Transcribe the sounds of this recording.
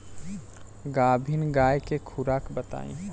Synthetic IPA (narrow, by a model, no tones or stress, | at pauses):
ɡaːbʱinɡajkekʰuɾakbət̪a̰ːḭ̃